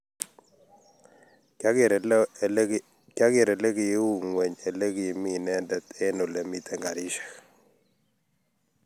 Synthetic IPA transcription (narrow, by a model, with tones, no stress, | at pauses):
ka˦ɡɪ˨ɾɛ˨le˦ɡi˨˦wu˦˨ŋwɛ˨ɲe˨le˦ɡi˨mi˦nɛ˦ndɛ˨t̪e˦no˨lɛ˨mi˦t̪ɛ˨ŋɡa˨ɾi˦ʃḁ˨k